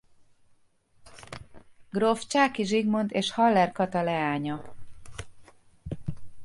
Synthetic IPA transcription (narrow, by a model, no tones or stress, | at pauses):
ɡroft͡ʃaːkiʒiɡmo̞nt̪eːʃhɒlːɛrkɒt̪ɒlɛaːɲɒ